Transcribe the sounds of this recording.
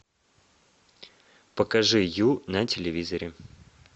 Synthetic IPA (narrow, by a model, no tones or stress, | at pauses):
pəkɐʐɨjunɐtʲɪlʲɪvʲizəɾʲɪ